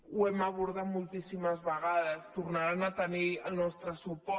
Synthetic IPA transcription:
uɛmaβ̞uɾðat̪mulˠt̪isiməzβəɣ̞aðəst̪uɾnaɾanat̪əniəlˠnɔst̪ɾəsupɔ

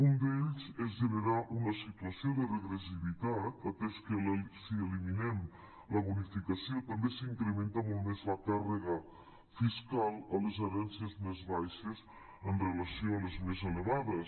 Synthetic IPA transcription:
und̪eʎzezðəβeɾaʔunɐsit̪uɐsioðərəɣɾəsiβit̪at̪at̪eskəlsiəliminɛm | ləβunifikasiot̪ambesiŋkɾəment̪amolˠt̪mezləkarəɣə | fiskalˠəlezəɾɛnsiəzmezβajʃəz | ənrəlɐsioɐləzmezələβaðəs

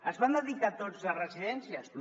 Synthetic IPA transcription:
əzβand̪əðikat̪od͡zərəziðɛnsias

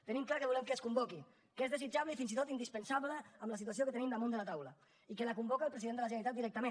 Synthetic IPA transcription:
t̪ənimklakəβulɛmkəskumbɔki | kezðəzid͡ʒaβləifinzit̪ot̪ind̪ispənsaβləəmləsit̪uas̬iokət̪ənimd̪əmund̪əlat̪awlə | ikəlakumbɔkəlˠpɾəziðend̪ələʒənəɾit̪at̪d̪iɾɛk̚t̪əmẽn

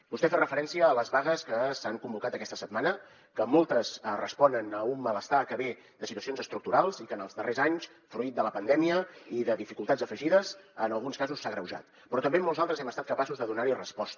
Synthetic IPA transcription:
bust̪ɛferəfəɾɛnsiəːləzβaɣəskəsaŋkumbukat̪əkɛst̪ə̥səd̪manə | kəmolˠt̪əsrəspɔnənəumːələst̪akəβe | d̪əsit̪uəsionzəst̪ɾuk̚t̪uɾalˠzikənəlˠzðərezaɲs | fɾuit̪̚d̪ələpənd̪ɛmiəiðəðifikulˠt̪adzəfəʒiðəzənəlˠɣunskazusːaɣɾəwʒa̰t̪ | pɾɔt̪əmbemolˠzalˠt̪ɾəzɛməst̪at̪kəpasuzðəðunaɾirəspɔst̪

